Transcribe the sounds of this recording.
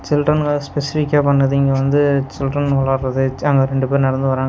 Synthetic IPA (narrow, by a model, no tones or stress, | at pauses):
t͡ʃɪlʈrɐnɡɐspɛsɪfɪkʲːaːpɐɳːɐðɯɪŋɡɐʋɐnd̪ɯt͡ʃɪlʈɐnɔɭɐɾɾɐðɯɐŋɡɐɾɛɳɖɯpeːɾnɛɽɐnd̪ɯʋɐɾaːŋ